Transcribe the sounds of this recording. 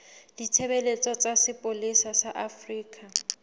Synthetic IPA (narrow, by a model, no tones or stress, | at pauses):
ditʰebelet͡sʼɔt͡sʼasɪpʼolisasaʔafriːkʼa